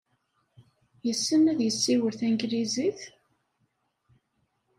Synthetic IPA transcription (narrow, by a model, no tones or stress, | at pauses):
jəsːənːæðjəsːiwəɾθæŋɡɾiziθ